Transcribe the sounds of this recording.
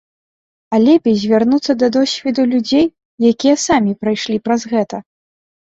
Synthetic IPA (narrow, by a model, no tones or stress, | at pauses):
alʲɛpʲizʲvʲarnut̪sːɐd̪ɐd̪ɔsʲvʲɛd̪ulʲud͡zʲej | jakʲijɐsamʲipɾajʂlʲipɾɐzɣɛt̪ɐ